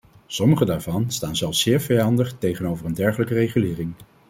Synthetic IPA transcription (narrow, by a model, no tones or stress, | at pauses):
sɔməχədaːɹvɑnstaːnzɛlˠfsɪːɹvɛjɑndəχtejχənowvərəndɛɹχələkərejχylɪːrɪŋ